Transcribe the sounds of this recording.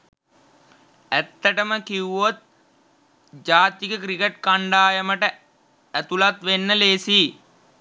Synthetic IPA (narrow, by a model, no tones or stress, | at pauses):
æt̪ːəʈəməkiuot̪̚ | d͡ʒaːt̪ikəkɾikeʈ̚kaɳɖaːjəməʈə | æt̪ulat̪ʋenːəleːsiː